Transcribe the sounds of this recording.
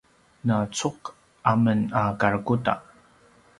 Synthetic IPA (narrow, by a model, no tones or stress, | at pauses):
nat͡suq | ʔamənakaɾkuta̰